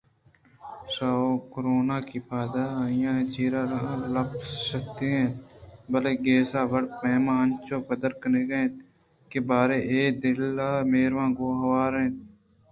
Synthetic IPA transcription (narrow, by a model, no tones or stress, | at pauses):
saːoːkoɾoːnaːkiːpʰaːd̪aːaːɪjãːt͡ʃiːɾaːɾaləbsəkt̪eːɦɛ̃ːbəleːɡeːsaːʋəɽpeːmãːənt͡ʃoːpəd̪əɾkəneːɡeẽː | keːbaːɾeʔeːkd̪ɪlːaːmeːɾʋãːɡoːɦəʋaːɾɦẽː